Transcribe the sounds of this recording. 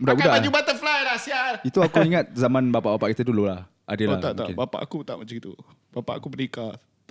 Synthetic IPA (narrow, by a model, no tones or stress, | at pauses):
budaʔbudaʔad͡ʒubat̪əflajɾasiait̪uakuiŋat̪̚zamãnbapaʔbapaʔkit̪ədulolah | adəloat̪aʔ̪akʔebapa̰ʔkut̪a̰ʔmat͡ʃaŋit̪ṵ | bapa̰ʔakubənikat